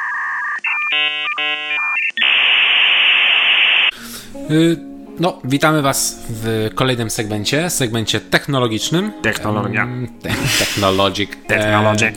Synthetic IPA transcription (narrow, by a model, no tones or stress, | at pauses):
nɔvʲit̪amɘvasvkɔlɛjnɘmsɛɡmɛɲt͡ɕɛsɛɡmɛɲt͡ɕɛt̪ɛxnɔlɔɡʲit͡ʂnɘmt̪ɛxnɔlɔjat̪t̪ɛxnɔlɔɡʲik̪ɛnɔlɔi